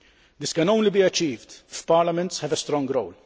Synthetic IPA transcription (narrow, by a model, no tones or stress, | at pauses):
d̪ɪskɐnɐ̃w̃nlibiːɐt͡ʃːiːvd̪fpɐɾlɐmɛ̃nt̪shɛvɛst̪ɾɔ̃ŋɡɾowl